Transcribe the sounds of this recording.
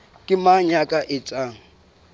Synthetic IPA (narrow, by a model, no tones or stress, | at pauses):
kʼɪmaɲakʼaʔɪt͡sʼaːŋ̩